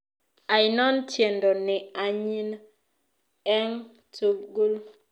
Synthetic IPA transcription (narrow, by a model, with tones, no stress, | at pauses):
a˨jɪnɔ˦ntʰje˨ndɔ˨nɪ˨a˨ɲi˦n | ɛ˦ŋ | tu˦bɡu˦l